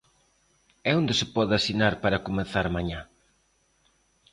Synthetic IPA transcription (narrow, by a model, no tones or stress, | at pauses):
ɛond̪ɪsɪpɔðasinaɾpaɾakomeθaɾmaɲa